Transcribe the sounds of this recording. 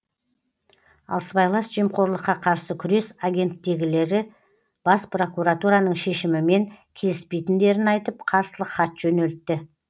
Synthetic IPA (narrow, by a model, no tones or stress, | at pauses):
ɑ̰lˠsbɑjlˠɑsʒijəmqo̞ɾlˠəqːɑqʰɑɾsəkʲʰʏɾe̞saɡʲe̞nt̪ːe̞ɡʲɪle̞ɾɪ | b̥ɑspro̞kuɾat̪uɾanəɴʃe̞ʃɪmɪme̞ŋkʲʰe̞lɪspe̞jt̪ɪnd̪e̞ɾɪnɑjt̪əp̚qʰɑɾsəlˠəqχɑt̪ʒ̥ɵne̞lt̪ːɪ